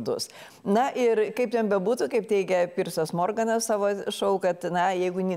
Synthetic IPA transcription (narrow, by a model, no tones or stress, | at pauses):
d̪ʊs | nɐʔɪɾkɐɪp̚tʲɛnbʲɛbuːt̪ukɐɪptʲɛɪkʲɛpʲiːrsɐsmoːrɡɐnɐssɑːʋoːʃɐʊkɐt̪nɐjɛɪɡʊnʲɪ